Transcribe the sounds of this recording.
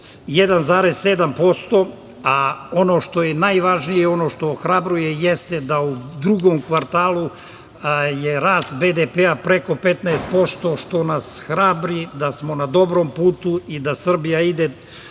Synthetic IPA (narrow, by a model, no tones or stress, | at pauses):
jed̪anzaːɾesːed̪ampo̞st̪o̞ | ao̞no̞ːʃt̪o̞jenajʋaʒnijeo̞no̞ːʃt̪o̞ːxɾabɾuje̞jest̪ed̪aud̪ɾuɡomkʋaɾt̪aːlˠu | jeɾaːst̪bed̪epeapɾe̞ko̞pe̞t̪nɛest̪̚po̞st̪o̞ʃt̪o̞nasxɾabɾid̪asmo̞nad̪o̞bɾompuːt̪uid̪asr̩bijaid̪e